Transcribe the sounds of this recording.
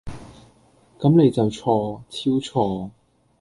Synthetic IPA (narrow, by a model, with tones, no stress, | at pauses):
kɐ˨˥mne˨˧jt͡sɐ˨wt͡sʰɔː˧t͡sʰiː˥wt͡sʰɔː˧